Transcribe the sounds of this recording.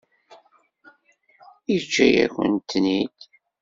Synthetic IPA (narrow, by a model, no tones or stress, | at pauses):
it͡ʃːæjæ̰kʷə̰nt̪ːnid̪